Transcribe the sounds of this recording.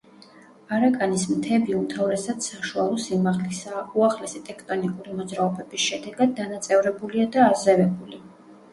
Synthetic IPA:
aɾakʼanismt̪ʰɛbiumt̪ʰavɾɛsad̪saʃualˠɔsimaʁlisauaχlɛsɛt̪ʼɛkʰt̪ʼɔnikʼuɾimɔd̪zɾaɔbɛbisʃɛd̪ɛɡad̪̚ːanat̪sʼɛvɾɛbuliad̪aːzɛvɛbuli

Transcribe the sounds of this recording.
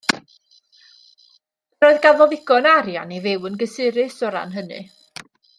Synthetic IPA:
roɨðɡavɔðɪɡ̥ɔnaɾja̰nivɪwənɡəsɪɾɪsɔɾa̰nɦənɨ̰

